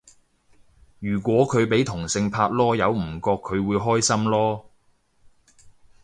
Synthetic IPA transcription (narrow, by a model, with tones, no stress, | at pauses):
jyː˨˩kʷɔː˨˥kʰɵ˨˧ɥpe˨˥jt̪ʰʊ˨˩ŋsɪ˧ŋpʰaː˧t̚lɔː˥jɐ˨˧wm̩˨˩kɔː˧kʰːɵ˨˧ɥwuː˨˧jɦɔː˥jsɐ˥mlɔː˥